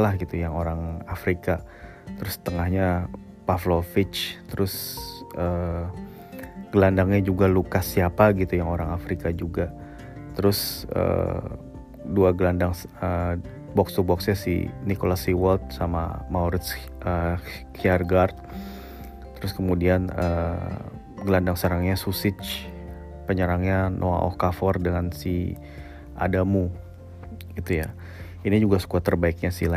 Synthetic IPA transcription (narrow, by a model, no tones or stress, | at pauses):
lahɡit̪ujaŋoɾaŋafɾika | t̪əɾʊsə̥t̪əŋahɲa | paflofɪt͡ʃt̪əɾʊsʔə | ɡ̥əlandaŋɲad͡ʒuɡalukasiapaɡit̪ujaŋoɾaŋafɾikad͡ʒuɡa | t̪əɾʊsə̰ | duaɡəlandaŋsə | bɔkst̪ubɔksɲasḭnikolasiwɔlt̪̚sama̰mauɾɪt̪s | ʔə | kiarɡart̪̚ | t̪əɾʊskəmudianə | ɡəlandaŋsəɾaŋɲasusɪt͡ʃ | pəɲəɾaŋɲanʔoa̰ʔɔ̰kafɔrdəŋansi | ʔa̰damu | ɡit̪uja | inid͡ʒuɡasə̥kuat̪ərbaɪk̚ɲasila